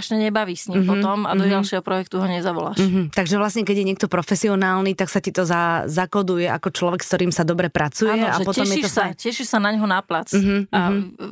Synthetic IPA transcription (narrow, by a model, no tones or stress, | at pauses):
ʃɲɛɲɛbaʋiːsɲimpɦɔt̪ɔmad̪ɔɟalʃɪɛɦɔpɾɔjɛk̚t̪uɦɔɲɛzaʋɔla̰ːʃɦt̪aɡʒɛʋlasɲɛkɛɟjɛɲɪɛk̚t̪ɔpɾɔfɛsiɔnaːlnit̪aksacit̪ɔzazakɔd̪ujɛʔa̰kɔt͡ʃlɔʋɛkst̪ɔɾiːmsad̪ɔbɾɛpɾat͡sujɛapɔt̪ɛɔʃmjɛit̪ɔsacɛʃiʃsanaɲɦɔnaplat͡sm̩ɦm̩a